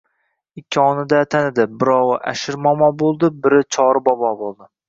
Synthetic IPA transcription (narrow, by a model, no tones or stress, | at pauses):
ɪkʲʰːiɒnɪd̪at̪ʰanɪd̪ɪbɪɾɒwɨʔa̰ʃɪɾmɒmɒbolˠd̪ɪbɪɾɪt͡ʃʰɒɾɪbɒbɒbolˠd̪ɪ